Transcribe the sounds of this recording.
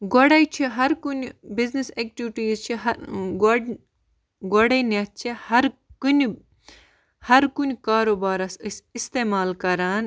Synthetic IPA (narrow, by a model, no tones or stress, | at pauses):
ɡɔɽɐjt͡ʃʰiɦɐɾkunʲbiznisek̚ʈiʋʈiːzt͡ʃʰiɦɐɡ | ɡɔɽɐnat̪̚t͡ʃʰihɐɾkun | hɐɾkunkaːɾoːbaːɾɐsɨsist̪eːmaːlkɐɾaːn